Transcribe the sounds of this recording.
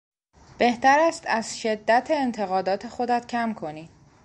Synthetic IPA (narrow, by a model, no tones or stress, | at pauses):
b̥e̞ht̪æɾæst̪æzʃe̞d̪ːæt̪ʰeːnt̪ʰe̞ɣɒːd̪ɒːt̪ʰe̞xo̞d̪æt̪cʰæmkʰo̞ni̥ː